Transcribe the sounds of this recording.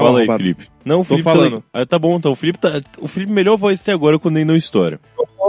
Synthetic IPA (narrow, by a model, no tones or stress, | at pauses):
ffalɐifilḭpɪ̥ | nɐ̃w̃ʊfilipalãd̪ɛt̪abõĩt̪ɐ̃ʊfilipɪt̪aʊfilipɪmelʎɔɾvɔjzt̪ɛ̃aɡɔɾɐkwɐ̃nd̪ʊẽd̪õw̃ist̪ɔɾɐ̰ | o